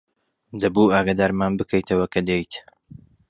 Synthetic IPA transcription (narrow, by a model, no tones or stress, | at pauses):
d̪ɐbuaːɡaːd̪aːɾmaːnbɨkʰɛjt̪ʰɐwɐkʰɐd̪ejt̪